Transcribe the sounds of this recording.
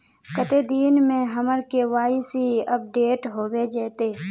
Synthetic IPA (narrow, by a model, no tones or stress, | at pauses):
kət̪ed̪iːnmẽɦɐməɾkeʋaːisiɐp̚ɖeːʈɦoːwed͡ʒɛːt̪eː